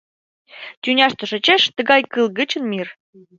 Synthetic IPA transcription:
t̪ʲynʲɑʃt̪ŏʃə̆t͡ɕeʃt̪ə̆ɡɑjkɨlˠɡə̆t͡ɕə̆nmir

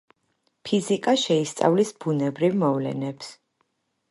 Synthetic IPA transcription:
pʰizikʼaʃɛist̪sʼa̰vlisb̥unɛbɾivmɔvlɛ̰nɛps

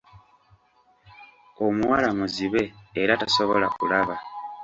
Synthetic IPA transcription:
omwalamuziβe̞ːɾataso̞βo̞lakulaβa

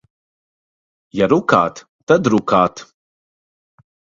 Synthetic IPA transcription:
jaɾuka̰ːt̪ | t̪ɐd̪ɾukaːt̪

